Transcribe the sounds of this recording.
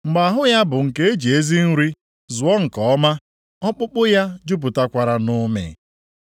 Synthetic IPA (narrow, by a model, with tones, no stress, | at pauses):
ŋ͡m̩˨ɡ͡ba˨ɦʊ˦ja˦bʊ˨ŋ̩˨ke˦e˦d͡ʒe˨e˦zi˦n̩˦ɾi˦ | zʊ˨ɔ˦ŋ̩˨kɔ˨ɔ˦ma˦ | ɔ˦k͡pʊ˦k͡pʊ˦ja˦d͡ʒu˦p̬u˨ta˦kʷa˨ɾa˨nʊ˦mḛ˨